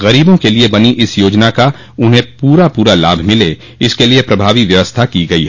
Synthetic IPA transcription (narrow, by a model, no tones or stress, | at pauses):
ɣɐɾiːbõkeliebɐniʔɪsjoːd͡ʒnaka | ʊnɦẽpuːɾapuːɾala̰ːbʱmɪle | ɪskeliepɾɐbʱaːʋiʋjɐʋəst̪ʰakiɡɐḭɦɛ